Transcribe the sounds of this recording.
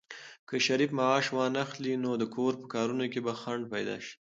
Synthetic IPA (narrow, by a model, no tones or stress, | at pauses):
kəʃaɾifmaɑʃwɑnaxlinod̪əkʰoɾpə̥kɑɾunokebaxaɳɖpajd̪ɑ̰ʃi̥